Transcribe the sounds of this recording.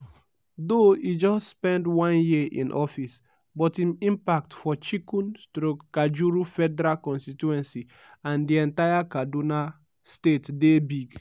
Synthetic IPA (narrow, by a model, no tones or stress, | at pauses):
doid͡ʒɔsspɛ̃ndwɔ̃njiʔḭ̃nʔɔfis | bɔtĩmĩmpak̚tfɔt͡ʃikũnstɾokad͡ʒuɾufɛdɛɾalkɔ̃nstituɛ̃nsi | ãndiɛ̃ntajakaduna | stetdebiɡ